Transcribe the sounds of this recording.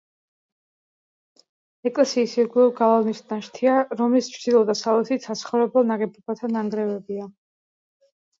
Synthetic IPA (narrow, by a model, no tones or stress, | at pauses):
ɛkʼlɛsiːsiɡɔɡalˠavnisnaʃt̪ʰiaɾɔmlist͡ʃʰɾd̪̥ilˠɔd̪asalɛsit̪sat̪sʰχɔvɾɛbɛlˠnaɡɛbɔbat̪ʰanaŋɡɾɛvɛbia